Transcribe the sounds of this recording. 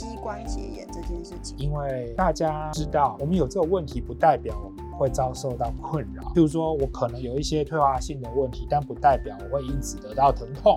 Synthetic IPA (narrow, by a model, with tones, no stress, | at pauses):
t͡ɕi˥kwa˥nɕjɛ̰˧˥jɛ̰˨˩nʈ͡ʂɤ˥˧t͡ɕjɛ˥˧nʂɻ̩˥˩t͡ɕʰi̥˨˩i˥nwe˥˩ɪt̪a˥˧t͡ɕja˦ʈ͡ʂɻ̩˦t̪ɑ˥˩ʊwɔ˨˩mə˦njo˨˩ʊʈ͡ʂɤ˥˩ɡə˩wə˥˨nt̪ʰi˨˥pu˨˧˥t̪a˥˩ɪpjɑ˨˩ʊwɔ˨˦mə˦xwe˥˨ɪt͡sɑ˥ʊʂo˥˧ʊt̪ɑ˥˩ʊkʰwə˥˨nɻɑ̰˨˩˦ju˧˥ʂwɔ˥wɔ˧˥kʰɤ˨˩nə˧˥ŋjo˨˩ʊi˥˩ɕjɛ˥t̪ʰwe˥˧ɪxwa˥˧ɕi˥˩ŋd̪ə˩wə˥˩nt̪ʰi˨˥t̪a˥˩npu˨˦˥t̪a˥˩ɪpjɑ˨˩˦ʊwɔ˨˩xwe˥˧ɪi˦˥nt͡sʰɹ̩˨˩˦t̪ɤ˧˥t̪ɑ˥˩ʊt̪ʰə˧˥ŋt̪ʰʊ˥˩ŋ